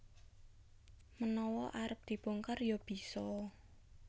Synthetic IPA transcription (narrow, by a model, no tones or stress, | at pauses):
mənɔwɔʔaɾəp̚d̪̥i̤b̥oŋkərjob̥isɔ